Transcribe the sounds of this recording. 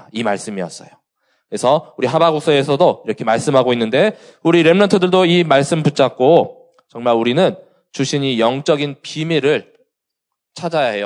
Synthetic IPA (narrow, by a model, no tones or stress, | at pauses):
imaɭs͈ɯmijʌ̰s͈ʌjo | kɾesʰʌuɾiɦabaɡok̚s͈ʌe̞sʰʌdoiɾʌkʰe̞maɭs͈ɯmɦaɡoinːɯnde̞ | uɾiɾe̞mnʌntʰɯdɯɭdoimaɭs͈ɯmput͡ɕ͈ak̚k͈o | t͡ɕʌŋmaɾuɾinɯn | t͡ɕuɕʰiɲijʌŋt͡ɕ͈ʌɡinpimiɾɯɭ | t͡ɕʰad͡ʑajaɦe̞jo